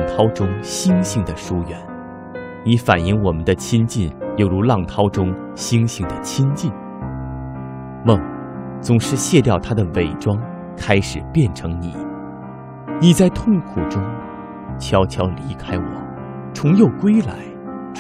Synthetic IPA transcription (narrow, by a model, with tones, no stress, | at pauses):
ŋt̪ʰɑ˥ʊʈ͡ʂʊ˥ŋɕi˥ŋɕi˥˩ŋd̪ə˨ʂu˥jɥɛ˧˥n | ni˧˥fa̰˨˩ni˥˧ŋwɔ˨˩mə˦nd̪ə˧t͡ɕʰi˥nt͡ɕi˥˩njo˥˧˩ʊɻu˧˥lɑ˥˩ŋt̪ʰɑ˥ʊʈ͡ʂʊ˥ŋ | ɕi˥ŋɕi˥ŋd̪ə˨t͡ɕʰi˥nt͡ɕi˥˩n | mɤ˥˩ŋ | t͡sʊ˨˩ŋʂɻ̩˥˧ɕjɛ˥˧t̪jɑ˥˩ʊt̪ʰa˥d̪ə˨we˨˩ɪʈ͡ʂwɑ˥ŋ | kʰa˥ɪʂɻ̩˨˩pjɛ˥˩nʈ͡ʂʰɤ˧˥ŋni˨˩˦ | ni˨˩t͡sa˥˧ɪt̪ʰʊ˥˩ŋkʰu˨˩ʈ͡ʂʊ˥ŋ | t͡ɕʰjɑ˥ʊt͡ɕʰjɑ˧˥ʊli˧˥kʰa˥ɪwɔ̰˨˩˦ | ʈ͡ʂʰʊ˧˥ŋjo˥˩ʊkwe˥ɪla̰˧˥ɪ